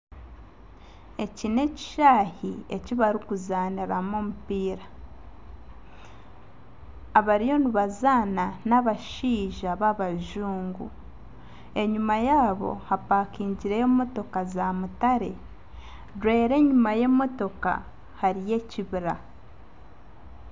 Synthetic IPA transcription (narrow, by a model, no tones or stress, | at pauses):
e̞cine̞ci̥ʃaːhie̞̰ciβaɾikuzaːniɾamoːmupiːɾa | aβaɾijo̞niβazaːnanaβaʃiːʒaβaβaʒuːŋɡṵ | e̞ɲumajaːβo̞̰hapaːkiːɲɟiɾejomo̞to̞kazamutaɾe̞ | ɾwe̞ːɾe̞ːɲumaje̞mo̞to̞ka̰ | haɾije̞ciβiɾa̰